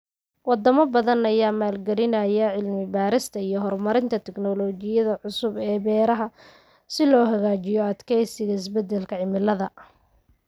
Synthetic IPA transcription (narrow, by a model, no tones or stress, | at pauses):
wɑd̪ɐmɐbɐðɐnɐjaːmaːlɡɐɾɪnɐjɐʕɪlmɪbaːɾɪst̪ʰɐijɞɦɔrmɐɾɪnt̪ʰɐt̪ʰɛɡnɔlɔːt͡ʃɪjɐðɐʕʊsʊbɛːbɛːɾɐɦɐ | sɪlɔːɦɐɣaːt͡ʃɪjɔɐd̪kʰɛjsɪɣɐɪsbɛd̪ːɛlkʰɐʕɪmɪlːɐðɐ